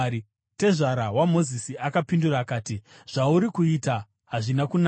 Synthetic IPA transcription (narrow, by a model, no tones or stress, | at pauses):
te̞ʐaɾawamo̞zisiʔakapinduraːkaːtiʐ̥auɾikuiːta | ɦaʐinakun